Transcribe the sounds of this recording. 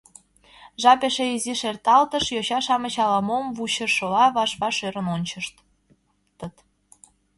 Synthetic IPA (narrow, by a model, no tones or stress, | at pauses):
ʒɑpeʃeiziʃert̪ɑlt̪əʃjoɕɑʃɑmət͡ɕɑlɑmomβuɕəʃɤlɑβɑʃβɑʃøɾə̆nonʲt͡ɕəʃt̪ | t̪ət̪